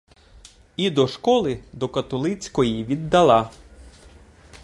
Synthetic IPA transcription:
id̪ɔʃkɔlˠɪd̪ɔkɐt̪ɔlˠɪt͡sʲkɔjiʋʲid̪ːɐlˠɑ

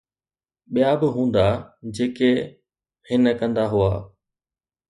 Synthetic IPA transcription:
ɓijabɪɦũːnd̪ad͡ʑeːke | hɪnəkɐ̃nd̪aɦʊaː

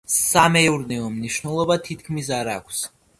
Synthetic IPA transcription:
samɛuɾnɛɔmniʃnɛlˠɔbat̪ʰit̪̚ʰkʰmis̬aɾakʷʰs

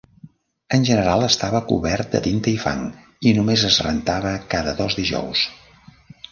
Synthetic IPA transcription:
ənʲʒənəɾalˠəst̪aβəkṵβɛrt̪̚d̪ə̰t̪int̪əifa̰ŋ | inumezəzrə̰nt̪aβəkaðəðɔzd̪iʒɔ̰ws

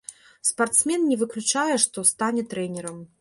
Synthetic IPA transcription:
spart̪smʲɛnːʲɛvɨklʲut͡ʂajɛʂt̪ɔst̪anʲɛt̪ɾɛnʲɛɾɐm

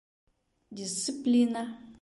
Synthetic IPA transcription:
disiplina

